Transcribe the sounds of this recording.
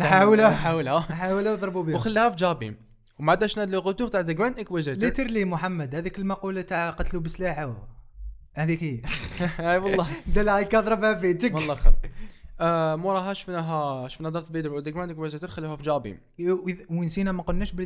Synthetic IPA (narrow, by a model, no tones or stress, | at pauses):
nħawlæħawəlhænħawlæwd̪ˤɾˤbubiwxəlːihæfid͡ʒɑbḭm | wmaʕd̪æʃnæd̪luɣut̪ubt̪aʕd̪əɡɾænd̪ʔəkwæʒælit̪əɾlimʊħamːæd̪hæd̪ikəlmæqult̪aʕqɑt̪lubəslaħa | hæd̪iki | iwɑlˤːɑd̪ælkɑd̪ˤɾˤəbhæbit̪əkwɑlˤːɑxɑ̰ | muɾˤɑɦæʃə̥fnæɦæʃə̥fnæd̪ˤɑɾˤt̪bid̪ɾəld̪əɡɾand̪əkwæzæt̪əɾxəlːuhæfd͡ʒɑbḭm | wənsinæmæqʊlnæʃbə